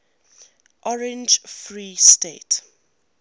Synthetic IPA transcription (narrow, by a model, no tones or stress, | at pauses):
ʔɔɹɛ̃nd͡ʒfɹiːstet